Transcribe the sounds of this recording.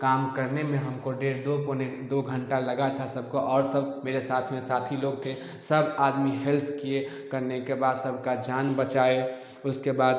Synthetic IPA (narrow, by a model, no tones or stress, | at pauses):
kaːmkəɾnemẽɦəmkoɖeːɾd̪okoned̪oɡʱə̃ɳʈaləɡat̪ʰasəb̚ʱkoʔɔːɾsəbmeːɾesaːt̪ʰmẽsaːt̪ʰiloːɡt̪ʰe | səbaːd̪miɦɛlpʰkie | kəɾnekebaːd̪səbʱkad͡ʒaːnbət͡ʃaːe | ʊskebaːd̪